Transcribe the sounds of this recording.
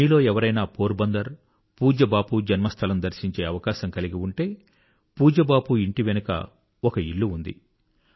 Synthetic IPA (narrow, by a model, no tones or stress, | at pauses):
miːlo̞ːɛʋɐɾɐjnaːpo̞ːɾbɐnd̪ɐɾ | puːd͡ʒɐbaːpud͡ʒɐnmɐst̪ʰɐlɐmd̪ɐɾsiɲt͡ʃe̞ːɐʋɐkaːʃɐmkɐliɡiuɳʈe̞ː | puːd͡ʒɐbaːpuiɳʈiʋenukɐ̰ | ɔkɐiɭːuund̪ḭ